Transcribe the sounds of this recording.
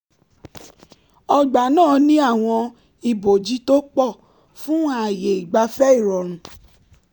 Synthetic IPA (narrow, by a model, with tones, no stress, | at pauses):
ɔ˧ɡ͡ba˨nãː˦˨nĩ˦a˦˨w̃ɔ̃˧ | i˨bo˨d͡ʒi˨˦to˦k͡pɔ˦˨ | fũ˦a˦˨je˨i˨ɡ͡ba˧fɛ˦i˦˨ɾɔ˨ɾ̃ũ˨˦